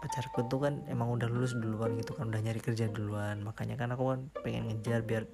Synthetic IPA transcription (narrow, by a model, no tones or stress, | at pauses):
pat͡ʃaɾkut̪̚t̪ːukanemaŋudahlulʊs̬duluanɡit̪ukanudahɲaɾikərd͡ʒaduluanmakaɲakanakukanpɛŋɛ̰nŋəd͡ʒarbiar